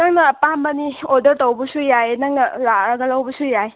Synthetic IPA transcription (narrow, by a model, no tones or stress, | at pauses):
nɐŋnɐpamːɐniɔdəɾtɔwbɐsujajnɐŋnɐlaɾɐɡɐlawbɐsujaj